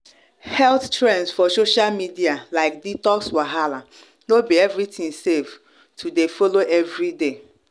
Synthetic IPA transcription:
hɛlttɹɛ̃nsfɔsoʃalmidialaɪkditɔkswaɦala | nobiɛvɾitĩŋsev | tʰudefoloʔɛvɾide

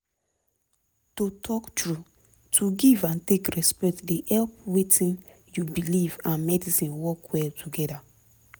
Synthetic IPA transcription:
totʰɔktɹu | tʰuɡivãntekɹɛspɛk̚tdehɛlp̚wetʰĩn | jubilivãnmɛdisĩnwɔkwɛltʰuɡɛda

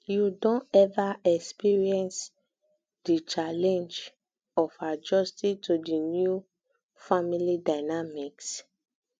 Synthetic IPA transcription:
judõntɛvaɛkspiɹiɛ̃ns | d̥it͡ʃalɛ̃nd͡ʒ | ɔfad͡ʒɔstitudinju | familidaɪnamiks

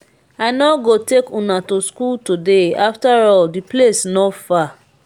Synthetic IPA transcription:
anɔɡotekũnãtuskultudeaftaɹɔldiplesnɔfa

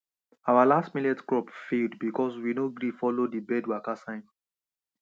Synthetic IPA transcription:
awalastmilɛtkɹɔpfeldbikʰɔswinoɡɾifɔlodibɛdwakasãɪ̃m

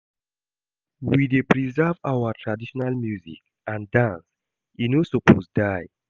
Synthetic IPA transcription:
widepʰɹizavawatʰɹadiʃɔnalmjuzḭk | ãndãns | inosɔpʰo̰sdaj

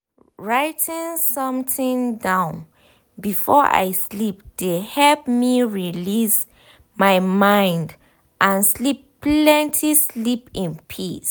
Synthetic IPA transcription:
ɹaɪtʰĩŋsɔ̃mtĩŋdãʊ̃n | bifɔʔa̰jslip̚d̥ehɛlp̚miɹilis | maɪmãɪ̃nd | ʔãnslipplɛ̃ntʰislipĩnpʰis

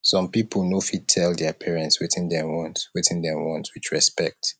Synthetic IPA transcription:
sɔ̃mpipʰəlˠnofitʰɛldɛpʰɛɹɛ̃ntswɪθɪ̃ndɛ̃wɔ̃ntwɪθɪ̃ndɛ̃wɔ̃ntswit͡ʃɹɛspɛk̚t

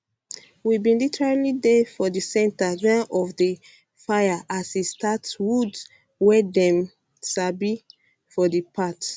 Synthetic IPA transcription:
wibĩnlitʰɛɹilidefɔdisɛ̃ntad͡ʒãnɔfdə | fajaʔasistʰatwud | wɛdɛ̃m | sabi | fɔdəpʰat

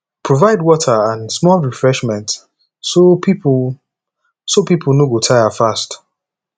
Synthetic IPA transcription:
pʰɹovaɪdwɔtʰəãnsmɔlɹifɹɛʃmɛ̃nt | sopip | sopipʰlˠnoɡotʰaɪafast

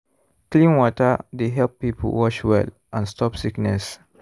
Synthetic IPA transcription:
klĩnwɔtədeɦɛlpːipʰə̰wɔt͡ʃwɛ̰l | ʔãnstɔpsiknɛs

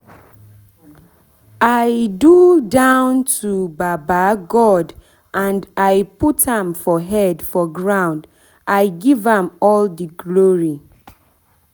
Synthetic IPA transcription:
ajdudãʊ̃ntʰubabaɡɔd | ʔãndajputhãmfɔɦɛdfɔɡɹãʊ̃nd | ʔaɪɡivãmɔldəɡloɹi

